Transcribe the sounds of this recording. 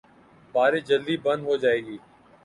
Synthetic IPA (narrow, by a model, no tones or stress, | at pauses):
baːɾeːd͡ʒəld̪iːbənd̪ɦoːd͡ʒaːeːɡiː